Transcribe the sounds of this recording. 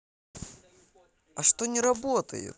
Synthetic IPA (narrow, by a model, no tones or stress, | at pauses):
ɐʂt̪onʲɪɾɐbot̪ə̰jɪ̰t̪